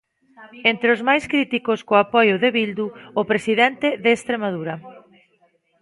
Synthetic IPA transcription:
ent̪ɾeʊzmajskɾit̪ikoskoapɔjʊðeβild̪uːpɾesiðɛnt̪eðeːst̪ɾemað̞uɾɐ

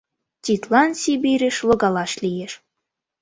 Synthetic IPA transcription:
tʲit̪lɑnsʲibʲiɾʲeʃlŏɡɑlɑʃlʲijeʃ

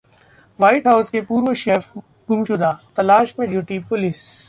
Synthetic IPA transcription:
ʋaːɪʈɦaʊskepuːɾʋoʃeːf | ɡʊmt͡ʃʊd̪aːt̪ɐlaːʃmẽd͡ʒʱʊʈipʊlɪs

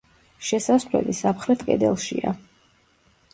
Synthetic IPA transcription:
ʃɛsaslɛ̰lisapχɾɛt̪ʰkʼɛ̰d̪ɛlˠʃia̰

